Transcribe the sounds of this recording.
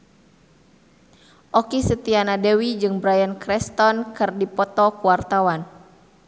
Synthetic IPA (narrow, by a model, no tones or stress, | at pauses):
ʔɔkisət̪ianadɛwid͡ʒɨŋbɾajankɾɛst̪ɔnkɨrdipɔt̪ɔkuwart̪awan